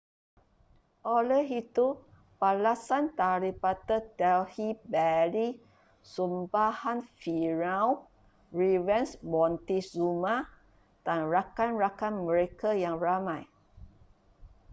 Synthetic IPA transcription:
ʔɔlɛɦit̪u | palasant̪aɾipat̪ət̪ɛlhibɛli | sumbahanfiɹãw | ɹivɛnsbɔ̃nt̪iszumã | d̥anɹakanɹakanməɾekajaŋɹamãj

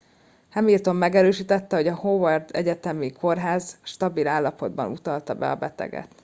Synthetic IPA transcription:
hɛmilt̪o̞mːɛɡɛɾøːʃiːt̪ɛt̪ːɛho̞ɟɒhovɒrd̪ɛɟɛt̪ɛmikʰo̞rɦaːzʃt̪ɒbilaːlːɒpo̞d̪bɒ̰nut̪ɒlt̪ɒbɛ̰ɒ̰bɛt̪ɛ̰ɡɛ̰t̪

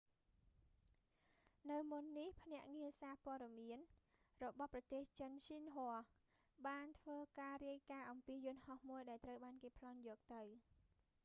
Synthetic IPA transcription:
nɨwmunːihpʰnɛ̆əʔŋiəsaːpŏəɗɑmiən | rɔɓɑhprɑt̪eːht͡ɕənsinɦoəh | ɓaːnt̪ʰʋəːkaːriəjkaːʔɑmpiːjʊ̆nhɑhmuəjɗaɛlt̪rəwɓaːnkeːpʰlɑnjɔːk̚t̪ɨw

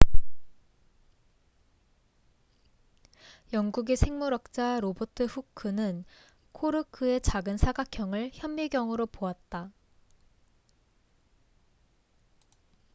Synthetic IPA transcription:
jʌŋɡuɡesʰe̞ŋmuɾʌk̚t͡ɕ͈aɾobotʰɯɸukʰːɯnɯn | kʰoɾɯkʰɯe̞t͡ɕaɡɯnsʰaɡakʰjʌŋɯɭçjʌmːiɡjʌŋɯɾopoat̚t͈a

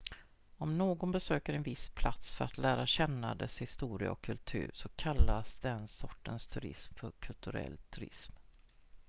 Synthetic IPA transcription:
ɔmnoːɡɔnbɛsøːkəɾɛnvɪspʰlat̪sfœɾat̪læːɾaɕɛnːad̪ɛshɪst̪uːɾɪə̰ɔkʰːɵlt̪ʰʉ̟̰ːɾʂɔkʰalːasd̪ɛnsɔʈːənst̪ʰɵɾɪ̰smfœɾkʰɵlt̪ɵɾɛ̰lːt̪ʰɵɾɪ̰sm

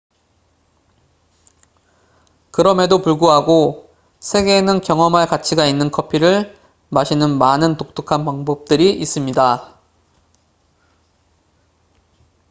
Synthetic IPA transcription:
kɯɾʌme̞dopuɭɡuɦaɡo | sʰe̞ɡe̞nɯnkjʌŋʌmɦaɭkat͡ɕʰiɡainːɯnkʰʌpʰiɾɯɭ | maɕʰinɯnmanɯntok̚t͈ʰɯkʰanpaŋbʌp̚t͈ɯɾiʔis͈ɯmɲida

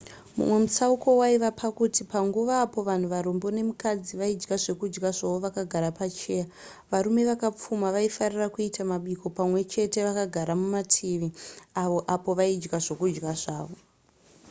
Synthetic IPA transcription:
mṵmwe̞musauko̞waiʋapʰakutipaŋɡuʋaːpo̞ʋan̤uʋaɾombo̞ne̞mukad͡ziʋaid͡ʒɡaʐe̞kud͡ʒɡaʐaʋoʋakaɡʱaɾapat͡ʃe̞ːja | ʋaɾume̞ʋakap͡fumaʋaifarirakuitamaɓiko̞pamwe̞t͡ʃe̞te̞ʋakaɡʱaɾamumatʰiʋiaʋo̞ʔapo̞ʋaid͡ʒɡaʐo̞kud͡ʒɡaʐaːʋo̞

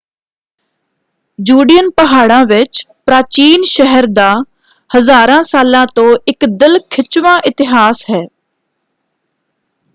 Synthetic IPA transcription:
d͡ʒuːɖijənpəɦaːɽãːʋɪt͡ʃpɾaːt͡ʃiːnʃəɦəɾd̪aː | həzaːɾãːsaːlãːt̪õːʔɪkd̪ɪlkʰɪt͡ʃʋãːʔɪt̪ɪɦaːsɦɛː

